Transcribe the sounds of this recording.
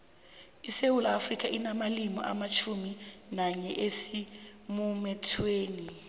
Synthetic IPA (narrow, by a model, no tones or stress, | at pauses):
isewulafrikʰʼaʔinamalimɔ̰ʔa̰mat͡ʃʰuminaɲɛʔesimumɛtʰweːni